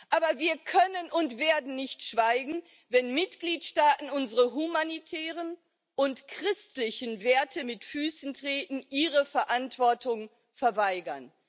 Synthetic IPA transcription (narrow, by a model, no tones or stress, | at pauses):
ʔʔaːbɐviːɐkʰœnənʊntv̥eːɐdn̩nɪçtʃv̥aɪɡŋ̩ | vɛnmɪtɡ̥liːtʃtaːtn̩ʊnzəʁəɦumanitʰɛːʁən | ʔʊntkʁ̥ɪstlɪçənveːɐtʰəmɪtfyːsn̩tʁ̥eːtn̩ʔiːʁəfɛɐʔantv̥ɔɐtʊŋ | fɛɐvaɪɡɐn